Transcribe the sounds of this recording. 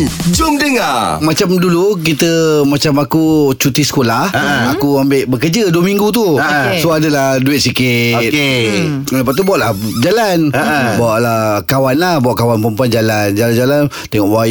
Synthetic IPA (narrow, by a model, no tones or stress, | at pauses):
d͡ʒʊmdəŋamat͡ʃamduluk̬it̪əmat͡ʃamakut͡ʃut̪isə̥kolahakuambɪʔbəkəd͡ʒəduəmiŋɡut̪usoadəlahduɪt̪̚sikɪt̪ke | əpaʔ̚t̪ubawaʔlahd͡ʒalanəbawaʔlakawanlahbawaʔkawanpəmpuand͡ʒaland͡ʒaland͡ʒalan | t̪ɛŋɔʔwa